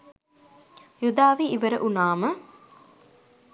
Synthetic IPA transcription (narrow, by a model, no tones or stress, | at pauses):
jud̪aːʋiːʋəɾəʔunaːmə